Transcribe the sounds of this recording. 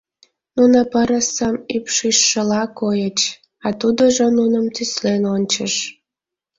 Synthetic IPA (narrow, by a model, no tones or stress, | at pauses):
nunəpəɾəsəmypʃiʃːəlɑkojət͡ɕ | ɑt̪ud̪oʒonunəmt̪yslenonʲt͡ɕəʃ